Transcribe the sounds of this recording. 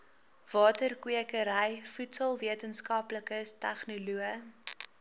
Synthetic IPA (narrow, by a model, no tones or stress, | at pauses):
v̥ɑːtərkwiəkəɾəjfutsəlˠviətənskɐpləkəstæχnuluə